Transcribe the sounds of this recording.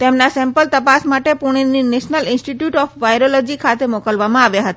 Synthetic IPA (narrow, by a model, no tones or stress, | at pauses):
t̪emnasempəlt̪əpasmaʈepuɽ̃inineʃnəlinsʈiʈjuʈɔpbajɾolɔd͡ʑikʰat̪emokəlbamãabeɦɔt̪e